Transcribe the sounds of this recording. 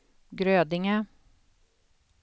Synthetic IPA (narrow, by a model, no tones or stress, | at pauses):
ɡɾøːd̪ɪŋə